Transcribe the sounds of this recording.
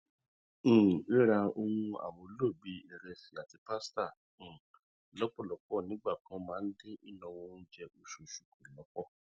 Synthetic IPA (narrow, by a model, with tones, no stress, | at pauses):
e˦ɾa˧o˧wũ˧a̰˨wõ˧˦lo˦˨bi˨˦ɛ˨ɾɛ˧si˨a˨ti˨˧pa˦stã˦˨ | lɔ˦k͡pɔ˦˨lɔ˨˦k͡pɔ˦˨nĩ˨˦ɡ͡ba˦˨kã˨˦mãː˨˦˧n̩˦de˦i˦nã˧w̃ɔ̃˧n̩˦d͡ʒɛ˧ʔo˨ʃo˨ʃu˨kõ˨lɔ˨˦k͡pɔ˦˨